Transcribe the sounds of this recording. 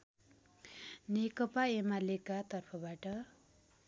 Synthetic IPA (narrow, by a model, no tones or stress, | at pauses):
nekʌpaemalekat̪ʌrpʰʌbaʈʌ